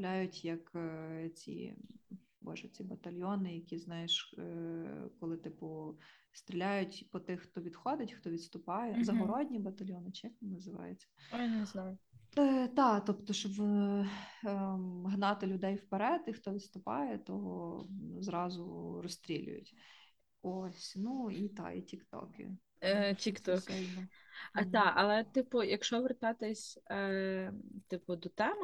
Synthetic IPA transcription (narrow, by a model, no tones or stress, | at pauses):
lʲajʊtʲjɐkt͡sʲḭ | bɔ̰ʒɛt͡sʲibɐt̪ɐlʲjɔnɪjɐkʲiznɑjɛʃ | kɔlˠɪt̪ɪpʊst̪ɾʲilʲajʊtʲpɔt̪ɪxxt̪ɔʋʲid̪xɔd̪ɪtʲxt̪ɔʋʲid̪st̪ʊpɑjɛzɐɦɔɾɔdʲnʲibɐt̪ɐlʲjɔnɪt͡ʃɛxnɪnɐzɪʋɑ̰jet͡sʲːɐnznɑjʊ | t̪ɑt̪ɔpt̪ɔʃɔb | ɦnɑt̪ɪlʲʊd̪ɛjwpeɾɛd̪ixt̪ɔʋʲɪst̪ʊpɑ̰jɛt̪ɔɦɔzɾɑzʊrɔst̪ɾʲilʲʊ̰jʊ̰tʲ | ɔsʲnuit̪ɑ̰ḭtʲikt̪ɔ̰kɪ̰ | tʲikt̪ɔkɛlʲnɔd̪ɑɐlˠɛt̪ɪpʊjɐkʃt͡ʃɔʋert̪ɑt̪ɪsʲ | t̪ɪpʊd̪ɔt̪ɛm